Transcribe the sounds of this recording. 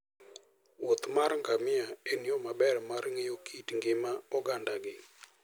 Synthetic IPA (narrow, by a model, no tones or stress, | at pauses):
wot̪marŋɡamɪaenjomabɛrmarŋejokʰitŋɡɪmaɔɡandaɡɪ